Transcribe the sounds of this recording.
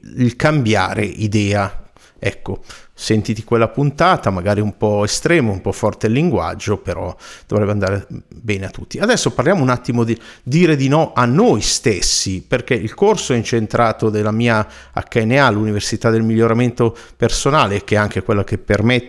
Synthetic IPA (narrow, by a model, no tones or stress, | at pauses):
ilkambja̰ːɾḛʔid̪ɛːa | ɛkːosent̪it̪ikwelːapunt̪aːt̪amaɡaːɾiumpɔest̪ɾɛːmoumpɔfːɔrt̪elːiŋɡwa̰d͡ʒːopeɾɔ̰d̪̥ovɾɛbːeand̪aːɾebɛːneat̪ːut̪ːiad̪ɛsːoparljaːmounat̪ːimod̪id̪iːɾed̪inɔʔanːojst̪esːiperkɛilkorsoɛint͡ʃent̪ɾaːt̪od̪elːamiːa | a̰kːaenealːuniversit̪ad̪elmiʎːoɾament̪o | personaːlek̟ɛaŋkekwelːak̟epːerme